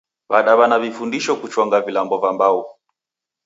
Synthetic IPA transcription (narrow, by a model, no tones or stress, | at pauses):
βaɗaβanavifundiʃɔkut͡ʃwɔŋɡavilambɔvambau